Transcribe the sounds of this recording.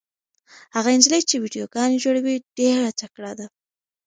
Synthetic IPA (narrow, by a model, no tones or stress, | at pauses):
haɣaɪnd͡ʒlet͡ʃewiɖijoɡɑned͡ʒoɽawiɖ̥eɾatakɽad̪a